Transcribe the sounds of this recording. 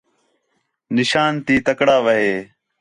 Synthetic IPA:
nɪʃaːnt̪iːt̪əkɽaːʋəɦeː

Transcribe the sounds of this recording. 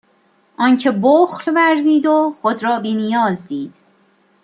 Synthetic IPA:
ʔɒːncʰeboːxlvæɾziːd̪oxod̪ɾɒːbiːnijɒːzd̪iːd̪̥

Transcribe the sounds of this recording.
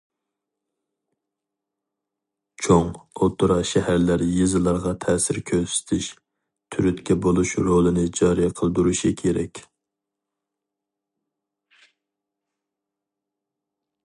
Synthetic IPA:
t͡ʃʰoŋot̪ʰuɾɑʃɛhæɾlæɾjɨzɨlˠɑɾʁɑt̪ʰɛːsɪɾkʲʰøsɪ̥t̪ʰɪʃ | t̪ʰyɾyt̪kʲɛbolˠuʃɾolˠɨnɪd͡ʒɑɾijɛqʰəlˠd̪uɾuʃikʲʰeɾɛ̰kʲ

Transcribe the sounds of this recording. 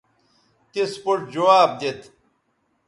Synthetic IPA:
k̪espoʈd͡ʑowaːb̚d̪et̪

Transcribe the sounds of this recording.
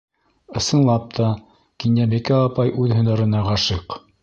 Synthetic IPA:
ɤ̆sɤ̆nlˠɑp̚t̪ʰɑ | kinjæbɘkæɑpɑjʔʉðhɵ̆nɑ̆ɾɤ̆nɑʁɑʃɤq

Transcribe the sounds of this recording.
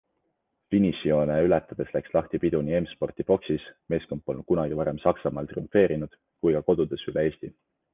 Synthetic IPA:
finisio̞neylɛt̪ːˑɑd̪̥e̞slækslɑht̪ipid̪̥uniemspo̞rt̪ipo̞ksisme̞ːskompˑːolnkunɑɡ̥ivɑɾe̞msɑksɑmɑːlt̪riuɱfe̞ːɾinud̪̥ | kujkɑko̞d̪̥ud̪̥e̞sylee̞ːst̪i

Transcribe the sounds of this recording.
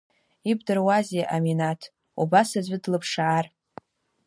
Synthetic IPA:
ibdɨrwazeʔaminatʰ | ubasazʷɨdlɨpʰʂaʕar

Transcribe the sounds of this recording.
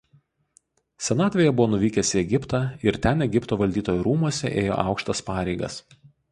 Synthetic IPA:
sʲɛnɑːt̪ʲʋʲeːjɛbʊʋoːnʊʋʲiːkʲɛsʲɪɛɡʲɪpt̪ɑɪɾt̪ʲɛnɛɡʲɪpt̪oːʋɐlʲd̪ʲiːt̪oːjɛɾuːmuɔsʲɛ̰ʔeːjo̰ːʔɑ̰ˑʊkʃt̪ɐspɑːɾʲɛɪɡɐ̰s

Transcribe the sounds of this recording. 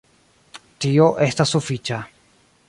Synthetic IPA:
t̪ioʔest̪asufit͡ʃa

